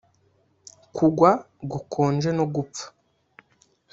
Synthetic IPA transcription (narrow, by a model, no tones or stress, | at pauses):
kʰuɡwa | ɡukʰoːnd͡ʒe̞noɡup̪fḁ